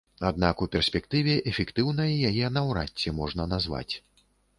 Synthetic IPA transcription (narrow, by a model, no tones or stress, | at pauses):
ad̪̚nakupʲɛrsʲpʲɛkt̪ɨvʲɛʔɛfʲɛkt̪ɨwnɐjɐjajɛnɐwɾa̰tʲːɛmɔʐnɐnazva̰t͡sʲ